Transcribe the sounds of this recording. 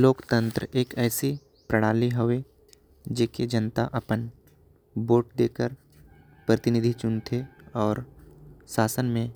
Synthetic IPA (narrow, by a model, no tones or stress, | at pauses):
loːkt̪ə̃nt̪ɾəeːkɛːsi | pɾəɽ̃aːliɦəʋe | d͡ʒeːked͡ʒənt̪aʔɐpən | boːʈd̪eːkəɾ | pɾət̪ɪnɪd̪ʱit͡ʃʊnt̪ʰeɔːɾsaːsənmẽ